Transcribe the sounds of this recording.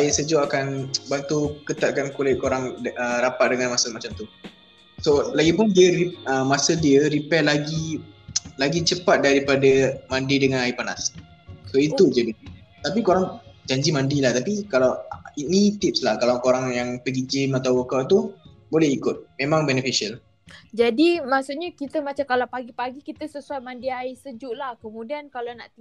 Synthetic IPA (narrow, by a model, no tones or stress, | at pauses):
aisəd͡ʒoakanbant̪ukət̪at̪̚kankulɛʔkoɾaŋəɾapat̪̚dəŋanmasəmat͡ʃamt̪u | solaɡipʊndiəɾiəmːasədiəɾipɛlaɡi | laɡit͡ʃəpat̪̚daɾipadəmandidəŋanaipana̰s | koit̪ud͡ʒədi | t̪apikoɾaŋd͡ʒaɲd͡ʒimãndilaht̪apikalawinit̪ɪp̚slahkalawkoɾaŋjaŋpəɡid͡ʒɪmat̪awokaʔt̪u | bolɛhikʊt̪̚mẽmãŋbɛnəfiʃial | d͡ʒadimaʔsuʔɲakit̪əmat͡ʃamkalawpaɡipaɡikit̪əsəsuajmandiaisəd͡ʒuʔlahkəmũdiankalanaʔt̪i